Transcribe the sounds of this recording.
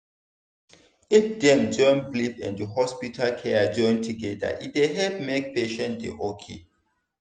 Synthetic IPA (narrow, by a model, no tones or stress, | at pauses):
ifdɛ̃nd͡ʒɔ̃nblipɛ̰̃ndəhɔspitʰalkʰɛad͡ʒɔ̃ɪ̃ntʰuɡɛda̰ʔideɦɛlpmek̚peʃɛ̃ntdḛʔokʰḛ